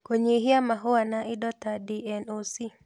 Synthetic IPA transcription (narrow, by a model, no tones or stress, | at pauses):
koɲiɦɪamaɦʊwanaʔɪdɔt̪adiɛnosi